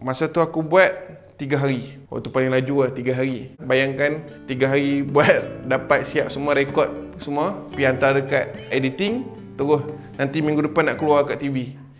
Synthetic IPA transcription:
masat̪uakubuat̪̚ | t̪ːiɡaɦaɾiwa̰ʔt̪upaliŋlad͡ʒuat̪iɡaɦaɾibajaŋkan | t̪iɡaɦaɾibuat̪̚dapat̪̚siap̚səmuaɾekɔt̪̚səmuapiant̪adəkat̪̚edit̪ɪŋ | t̪əɾʊh | nant̪imĩŋɡudəpanːaʔkəluarkaʔt̪ivi

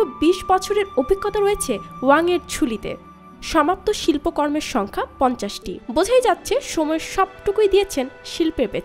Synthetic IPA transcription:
obiʃbɔt͡ɕʰoɾeɾobʱikʰːot̪aɾojet͡ɕʰewaŋeɾt͡ɕʰulit̪ḛ | ʃɔmap̚t̪oʃilpokɔɾmeɾʃɔŋkʰapɔnt͡ɕaʃʈḭbod͡ʑʱajd͡ʑatːɕʰeʃomɔeɾʃɔb̚ʈokojd̪ijet͡ɕʰenʃilpebet͡ɕ

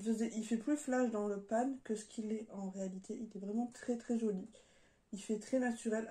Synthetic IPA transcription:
əvəzɛʔilfɛplyflaʃd̪ɑ̃ləpankəsə̥kʰʲilɛɑ̃ʁealit̪ʰeʔilɛvʁɛmɑ̃t̪χɛt̪χɛʒɔli | ilfɛt̪χɛnat̪yʁɛl

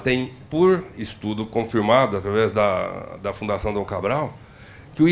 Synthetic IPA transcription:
t̪ẽj̃poɾɪst̪ud̪ʊkõfiɾmad̪ʊat̪ɾavɛzd̪ɐd̪ɐfũnd̪asɐ̃w̃d̪ɐ̃w̃kabɾaw | kɪʊ

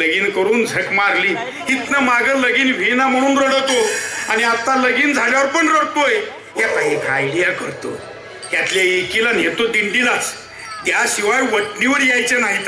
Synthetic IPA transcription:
ləɡiːnkəɾuːnd͡zʱəkmaɾliː | ɦit̪nəmaɡələɡiːnʋ̤ʱinam̤əɽ̃uːnɾəɽət̪oañiat̪aləɡiːnd͡zʱaljaʋəɾpəɳɾəɽpoj | jak̪aɦikʰajlijakəɾt̪o̰ | jjat̪ljaekilanjet̪od̪iɳɖilat͡s | d̪jaɕiʋajʋəʈniʋəɾjajt͡senaɦit̪a

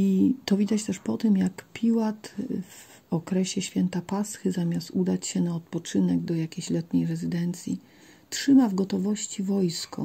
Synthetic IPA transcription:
it̪ɔvʲid̪at͡ɕt̪ɛʂpɔt̪ɘmjakpʲʰiwat̪v | ɔkɾɛɕɛɕfʲjɛnt̪apasxɘzamʲjast̪ud̪at͡ɕɕɛnaɔt̪̚pɔt͡ʂɘnɛɡd̪ɔjakʲejɕlɛt̪ɲɛjɾɛzɘd̪ɛnt̪sʲji | tʂɘmavɡɔt̪ɔvɔɕt͡ɕivɔjskɔ̰

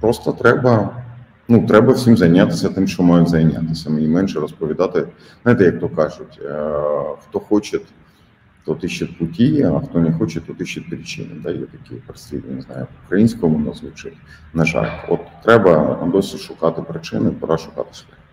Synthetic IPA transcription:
pɾɔst̪ɔt̪ɾɛbɐ | nut̪ɾɛbɐwsʲimzɐjnʲːat̪ɪsʲɐt̪ɪmʃt͡ʃɔmajʊmzɐjnʲːa̰t̪ɪsʲɐmenʲimɛnʃɛɾɔspɔʋʲid̪ɑt̪ɪ | nnajt̪ɛjɐkt̪ɔkɑʒʊtʲ | xt̪ɔxɔt͡ʃɪt̪ | d̪ɔt̪ɪʃɪt̪ʲkʊtʲijiɐxt̪ɔnɛxɔt͡ʃɛd̪ɔt̪ɪʃɪt̪̚ʲpɾʲit͡ʃɪ̰nɪ̰d̪ɑjɛt̪ɐkʲipɾesʲt̪ʲid̪̰ʲnɪznɑ̰jʊʊkɾɐjinʲsʲkɔmʊnɔzʋʊt͡ʃɪ | nɐʒɑ̰lʲɔ̰t̪ːɾɛbɐd̪ɔsʲiʃʊkɑt̪ɪpɾɪt͡ʃɪnɪpɐɾɑʃʊkɑ̰t̪ɪ̥ʃlɛ

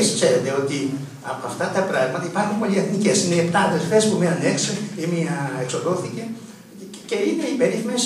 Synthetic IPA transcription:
skse̞ɾet̪e̞o̞t̪i | ɐpoɐft̪ɐt̪ɐpɾɐɣmɐt̪ɐipɐɾxunpo̞lieθnice̞sineiept̪ɐːðelfe̞spumenunekseimiɐekso̞lo̞θice̞ | ce̞ine̞ipe̞ɾiθmes

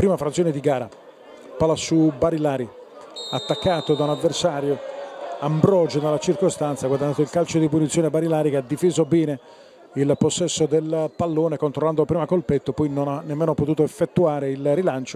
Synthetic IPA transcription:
pɾiːmafɾat̪sjoːned̪iɡaːɾa̰ | palasubaɾilaːɾi | at̪ːakːaːt̪od̪aunad̪versaːɾjoambɾɔd͡ʒonelːat͡ʃirkost̪ant̪saɡwad̪anːaːt̪oilkalt͡ʃod̪ipunit̪sːjoːnebaɾilaːɾikead̪ifiːzobiːne | ilposːɛsːod̪elpalːoːnekont̪ɾolːand̪opɾiːmakolpet̪ːopɔjnonanːemːeːnopot̪uːt̪oefːet̪ːuaːɾeilrilant͡ʃo

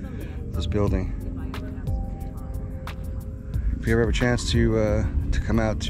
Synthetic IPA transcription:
ðɪsb̥ɪlˠdɪ̃ŋ | fjɨvəvɨt͡ʃʰæ̃nstʰɨʌtʰɨkʰʌ̃maʊtʰ

